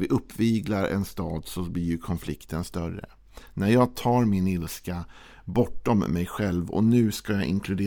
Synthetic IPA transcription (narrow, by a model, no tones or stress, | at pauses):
vɪʔɵpːviːɡlaɾʔɛ̰nst̪ɑːd̪sɔblɪɾjɵkʰɔnflɪkt̪ʰənst̪œɾːə̰ | næɾjɑːɡ̚t̪ʰɑːɾmɪnɪlska | bɔʈːɔmːɛjɧɛlvɔ̰nʉ̟ːskajɑʔɪ̰ŋkʰlɵd̪eː